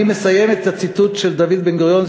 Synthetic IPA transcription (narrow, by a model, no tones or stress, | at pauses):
imesajemet̪at͡sit̪ut̪ʃeld̪avid̪benɡʁjonz